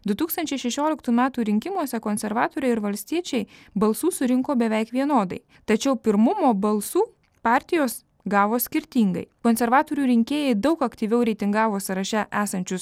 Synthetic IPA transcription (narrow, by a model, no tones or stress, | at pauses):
d̪ʊt̪uːkst̪ɐnʲt͡ʃʲɛɪʃʲɛʃʲoːlʲɪkt̪uːmʲæːt̪uːɾʲɪŋʲkʲɪmuɔsʲɛkoːnʲsʲɛɾʋɑːt̪oːɾʲɛɪɪɾʋɐlʲsʲt̪ʲiɛt͡ʃʲɛɪbɐlˠsuːsʊɾʲɪŋkoːbʲɛʋʲɛɪkʋʲiɛnoːd̪ɐɪ | t̪ɐt͡ʃʲɛʊpʲɪɾmʊmoːbɐlˠsuː | pɑːˑɾʲt̪ʲɪjoːs | ɡɑːʋoːsʲkʲɪɾʲt̪ʲiːŋɡɐ̰ɪkoːnʲsʲɛɾʋɑːt̪oːɾʲuːɾʲɪŋʲkʲeːjɛɪd̪ɒʊkɐkt̪ʲiːʋʲɛʊɾʲɛɪt̪ʲɪŋɡɑːʋoːsɐɾɐʃʲɛʔæːsɐnʲt͡ʃʲʊs